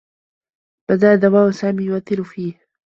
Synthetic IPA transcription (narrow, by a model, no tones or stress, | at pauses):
bad̪aːd̪awaːʔsaːmiːjʊwaθːɪɾʊfiːh